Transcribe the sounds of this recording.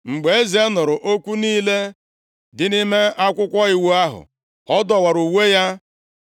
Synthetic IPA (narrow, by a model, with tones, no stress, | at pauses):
ŋ͡m̩˨ɡ͡be˨e˦ze˦nʊ˨ɾʊ˨ʔo˦kʷu˦niː˦le˦ | dɪ˨nɪ˦me˦a˦kʷʊ˦kʷɔ˦i˦wu˦a˦ɦʊ̰˨ | ɔ˦dɔ˨wa˨ɾu˨we˦ja˦